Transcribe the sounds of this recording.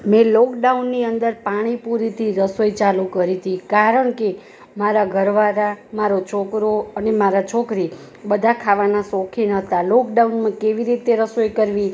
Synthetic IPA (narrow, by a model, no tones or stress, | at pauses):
mɛ̃lɔkɖaunːiənd̪əɾpaɽ̃ipuɾit̪ʰiɾəsojt͡ʃalukəɾit̪ʰikaɾəɳke | maɾaɡʱəɾʋaɾamaɾot͡ʃʰokɾoənemaɾat͡ʃʰokɾi | bəd̪ʱakʰaʋanasɔkʰinət̪alɔkɖaunmãkeʋiɾit̪eɾəsojkəɾʋi